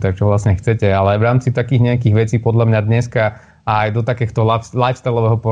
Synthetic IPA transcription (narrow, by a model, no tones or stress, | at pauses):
t̪ak̚t͡ʃɔʋlasɲɛxt͡sɛcɛalɛajʋɾaːmt͡sit̪akiːɣɲɛakiːɣʋɛt͡siːpɔd̪lamɲad̪ɲɛska | ajd̪ɔt̪akɛːxt̪ɔlalajfst̪ɛlɔʋɛːɦɔpɔ